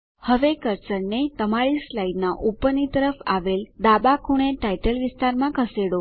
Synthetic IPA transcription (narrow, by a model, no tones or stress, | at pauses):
həʋekəɾt͡ʃəɾnet̪əmaɭislajnaʔupːənit̪əɾəfa̰ʋeld̪abakʰuɳ̃eʈaiʈəlʋɪst̪aɾmãkʰəseɽo